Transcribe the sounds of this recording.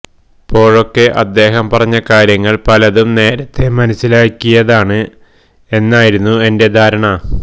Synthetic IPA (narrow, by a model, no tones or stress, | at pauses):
pːo̞ːɻo̞kːe̞ʔɐd̪ːe̞ːɦɐmpɐrɐɲːɐkaːɾjɐŋːɐɭpɐlɐðumne̞ːɾɐt̪ːe̞mɐnɐsilaːkʲːijɐðaːɳɨ | e̞nːaːjiɾunːue̞nde̞d̪ʱaːɾɐɳɐ